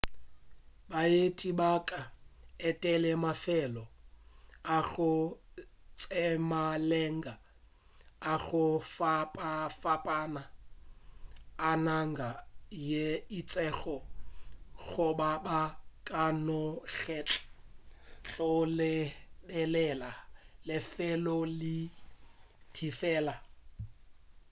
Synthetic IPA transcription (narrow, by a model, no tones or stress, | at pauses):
baetʼibakʼaɛtʼɛlɛmafɛlɔ | aɣʊ | t͡sʼɛmalɛŋɡa | aɣʊfpʼfapʼana | naŋɡajeit͡sʼɛɣɔ | ɣʊbabakʼanɔɣɛːt͡ɬʼ | ɬʼɔlɪbɛlɛlalɪfɛlɔlɪ | tʰifɛːla